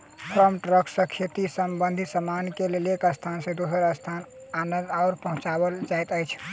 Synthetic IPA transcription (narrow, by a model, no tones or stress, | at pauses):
pʰɾəmʈɾəksəkʰet̪isəmbənd̪ʱisəmankelelekəst̪ʰansẽd̪osəɾəst̪ʰan | anənd̪aʊɾpəɦũt͡ʃabəld͡ʒajt̪əjt͡ʃʰ